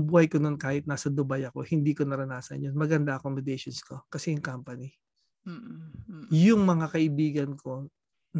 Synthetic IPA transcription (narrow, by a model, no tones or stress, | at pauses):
buːhɐjkono̞nkaːhɪt̪̚naːsɐd̪ʊbajɐko̞hɪnd̪iːko̞nɐɾɐnaːsɐ̰njonmɐɡɐnd̪ɐʔɐkomɪd̪ɛjʃonskokɐsɛjʊŋkampɐni | jʊŋmɐŋakɐʔɪbiːɡɐnkʰo̞ | n